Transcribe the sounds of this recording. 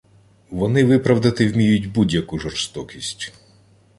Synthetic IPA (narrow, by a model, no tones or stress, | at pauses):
ʋɔnɪʋɪpɾɐwd̪ɐt̪ɪwmʲijʊtʲbudʲjɐkuʒɔrst̪ɔkʲisʲtʲ